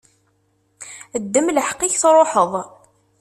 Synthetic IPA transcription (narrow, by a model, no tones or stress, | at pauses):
əd̪ːəmləħqːɪçθɾˤoħəðˤ